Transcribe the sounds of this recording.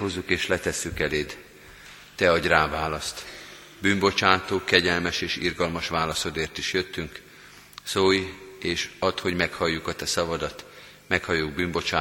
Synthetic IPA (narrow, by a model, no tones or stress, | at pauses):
ozːukeːʃlɛt̪ɛsːykɛleːd̪ | t̪ɛɒɟraːvaːlɒst̪ | byːmbo̞t͡ʃaːt̪oːkɛɟɛlmɛʃeːʃḭrɡɒlmɒʃʋaːlɒso̞d̪eːrt̪iʃjø̞t̪ːyŋk | soːjeːʃɒt̪ho̞ɟmɛkhɒjːukɒt̪ɛsɒvɒd̪ɒt̪ | mɛkhɒjuɡ̚byːmbo̞t͡ʃaː